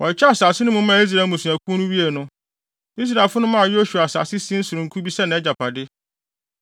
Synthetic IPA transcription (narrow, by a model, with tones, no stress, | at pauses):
wɔ˨t͡ɕʰɛ˦a˨saː˨sɪ˦nʊ̃˦mʊ̃˦mã˦˨i˦s̬ɾa˨mũ˨su˨æ˨kʰũ˦nʊ̃˦wi˦e˨nʊ̃˦ | i˦s̬ɾa˨ɪ˨fʊ˦nʊ̃˦mã˦a˨jo˦ɕu˨a˨sa̰˨sɪ˦sĩ˦n̩˦sʊ˨ɾʊ̃˨ŋ̩˨kʰu˦bi˦sɛ˦nã˨ɛ˦d͡ʑa˨pʰa˨dɪ˦